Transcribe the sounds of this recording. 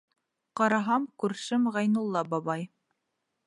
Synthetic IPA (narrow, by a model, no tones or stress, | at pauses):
qɑɾɑɦɑmkʉɾʃɘmʁɑjnulˠːɑbɑβɑj